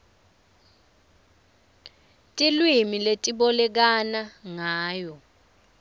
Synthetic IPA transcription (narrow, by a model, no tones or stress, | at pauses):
tʼilwimiletʼiɓɔlɛk̬anaŋaːjɔ